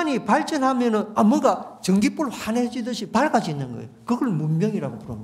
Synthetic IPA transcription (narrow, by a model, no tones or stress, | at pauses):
ɲipaɭt͡ɕ͈ʌnɦamjʌnɯnamɯɡat͡ɕʌŋɡip͈uɭohaned͡ʑidɯɕʰipaɭɡad͡ʑiːnːɯnɡʌḛjokɯɡʌɭmunmjʌŋiɾaɡopuɾʌ̰mɲ